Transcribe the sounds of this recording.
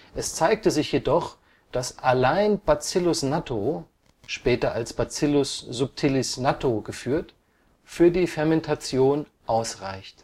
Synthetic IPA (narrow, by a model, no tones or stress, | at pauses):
ʔɛst͡saɪk̚təzɪçjedɔχ | d̥asʔalaɪnb̥at͡sɪlʊsnatʰo | ʃpɛːtɐʔalsb̥at͡sɪlʊsz̥ʊp̚tʰɪlɪsnatʰoɡəfyːɐt | fyːɐdiːfɛɐmɛntʰat͡sjoːn | ʔaʊsʁaɪçt